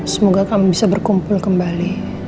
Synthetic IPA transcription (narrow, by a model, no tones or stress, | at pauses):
səmoɡakamubisabərkumpʊlkəmbali